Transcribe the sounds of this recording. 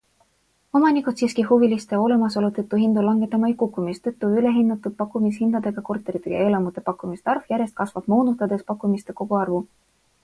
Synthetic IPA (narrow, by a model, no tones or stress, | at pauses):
o̞mɑnikud̪siskihuvilist̪eo̞le̞mɑso̞lut̪et̪ːˑuɦind̪ulɑŋɡ̥e̞t̪ːˑɑmɑejkukːˑumist̪et̪ːˑuyle̞ɦinːɑt̪ːˑud̪̚pɑkːˑumishind̪̥ɑd̪̥e̞ɡ̥ɑko̞rt̪ːˑeɾit̪ːˑeɡjɑe̞ːlɑmut̪e̞pɑkːˑumist̪e̥ɑrvjæɾjest̪̚kɑsvɑb̥mo̞ːnut̪ːˑɑd̪e̞spɑkˑːumist̪e̞ko̞ɡ̥uɑrvu